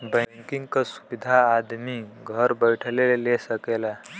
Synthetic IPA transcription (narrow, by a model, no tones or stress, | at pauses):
bə̃ŋkiŋɡkasu̥bid̪ʱaːd̪miɡʱəɾbəjʈʰəlelelesəkela